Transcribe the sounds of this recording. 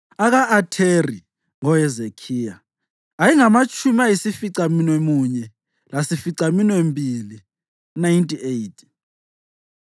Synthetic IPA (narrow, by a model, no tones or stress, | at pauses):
aɣaʔatʰeri | ŋɔɛzekʰiːjaː | jiŋamat͡ʃʼʰumiajisifiǀaminwemuɲɛ | lasifiǀaminwembʱili | najntʼiejtʰʼi̥